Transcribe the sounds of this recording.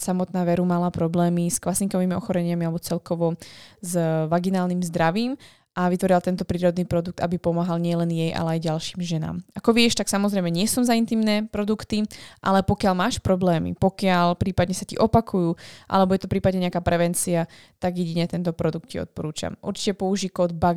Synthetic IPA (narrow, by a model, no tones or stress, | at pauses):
samɔt̪naːʋɛɾumalapɾɔblɛːmisklasiŋkɔʋiːmiɔxɔɾɛɲɪamialɛbɔt͡sɛlkɔʋɔzʋaɡinaːlniːmzd̪ɾaʋiːm | ʔaʋit̪ʋɔɾilat̪ɛnt̪ɔpɾiːɾɔd̪niːpɾɔd̪uk̚t̪a̰bipɔmaɦalɲɪɛlɛnjɛjʔa̰lɛajɟalʃiːmʒɛna̰ːmʔakɔʋɪɛʃt̪aksamɔzɾɛjmɛɲɪɛsɔmzaint̪imnɛːpɾɔd̪ukt̪iʔalɛpɔkɪalmaːʃpɾɔblɛːmḭpɔkɪalpɾiːpad̪ɲɛsacḭʔɔpakʰujuːʔa̰lɛbɔjɛt̪ɔpɾiːpad̪ɲɛɲɛakaːpɾɛʋɛnt͡sia | t̪aɡjɛɟiɲɛt̪ɛnt̪ɔpɾɔd̪uk̚t̪̚ciɔ̰t̪̚pɔɾuːt͡ʃa̰mʔṵɾt͡ʃi̥cɛpɔuʒiːkɔd̪̚ba